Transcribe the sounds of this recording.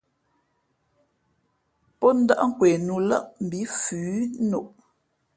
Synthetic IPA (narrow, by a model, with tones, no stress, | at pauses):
pɔ˦n̩˦da̰˦ʔŋ̩˦kwɛ˨nu˨lə˦˨ʔm̩˨bi˨˦fʉː˨˦no˨ʔ